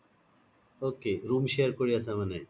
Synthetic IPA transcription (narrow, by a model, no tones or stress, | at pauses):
oːkeːɾuːmɕeɾkoɽias̬ãmɐne